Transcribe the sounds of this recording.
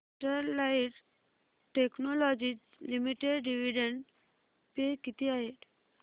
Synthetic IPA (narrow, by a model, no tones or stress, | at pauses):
ʈəɾlaiʈ | ʈeknolɔd͡ʑi | limiʈeɖɖiʋiɖəɳɖ | pekit̪iaɦet̪